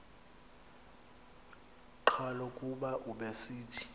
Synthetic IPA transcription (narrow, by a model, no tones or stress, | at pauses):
ǃʰalokʼuɓaʔuɓesiːtʰi̥